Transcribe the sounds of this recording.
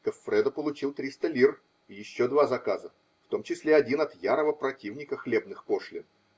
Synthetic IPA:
kəfːɾɛd̪əpəlˠʊt͡ɕilˠt̪ɾʲist̪əlʲir | jɪɕːo̞d̪vazɐkazə | ft̪o̞mt͡ɕɪsʲlʲeɐdʲinɐt̪jaɾəvəpɾɐtʲivnʲɪkəxlʲe̞b̚nɨxpo̞ʂlʲɪn

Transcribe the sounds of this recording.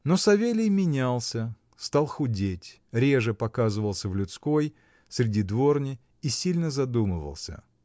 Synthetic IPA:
no̞sɐvʲelʲɪjmʲɪnʲalˠsʲə | st̪alˠxʊdʲetʲ | ɾʲe̞ʐɨpɐkazɨvəlˠsʲəvlʲʊt̪sko̞j | sɾʲɪdʲid̪vo̞rnʲɪ | isʲilʲnəzɐd̪umɨ̰və̰lˠsʲə̰

